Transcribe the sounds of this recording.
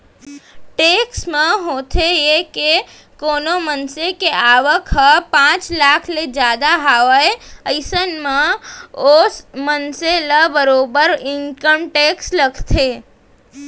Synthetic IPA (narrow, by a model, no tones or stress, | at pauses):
ʈeːksmẽɦoːt̪ʰejeke | koːnomənsekeʔaːʋəkʰəpãːt͡ʃlaːkʰled͡ʒaːd̪aɦaːʋəeəɪsənmẽosmənseləbəɾoːbəɾɪŋkəmʈeːksləkʰt̪ʰeː